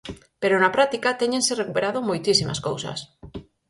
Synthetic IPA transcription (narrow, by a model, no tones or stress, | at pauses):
peɾonapɾat̪ikat̪eɲẽnserekupeɾað̞omojt̪isima̰sko̰wsa̰s